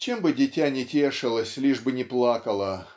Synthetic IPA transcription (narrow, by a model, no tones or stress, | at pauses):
t͡ɕembɨdʲɪtʲænʲɪtʲeʂɨlˠəsʲlʲiʐbɨnʲɪplˠakəlˠə